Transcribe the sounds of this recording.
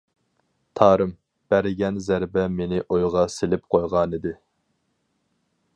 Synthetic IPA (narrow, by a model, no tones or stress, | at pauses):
t̪ʰɑːɾɨm | b̥æɾɪɡʲɛnzæɾbɛmenɪʔojʁɑselɪpqʰojʁɑnɨd̪ɪ